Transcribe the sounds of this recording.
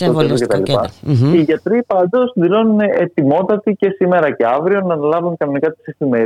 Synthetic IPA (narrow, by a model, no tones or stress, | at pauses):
oeocet̪ɐlḭppɐiʝɐt̪ɾipɐnd̪osðilo̞nineet̪imo̞t̪ɐt̪ice̞sime̞ɾɐce̞ɐvɾio̞nɐːnɐlɐvunkɐno̞nikɐt̪i̥sefime̞